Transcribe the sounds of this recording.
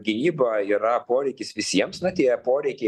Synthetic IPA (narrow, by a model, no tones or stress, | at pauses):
ɡʲɪnʲiːbɐiːɾɐpoːɾʲɛɪkʲɪsʋʲɪsʲiɛmsnʊt̪ʲiɛpoːɾʲɛɪkʲɛɪ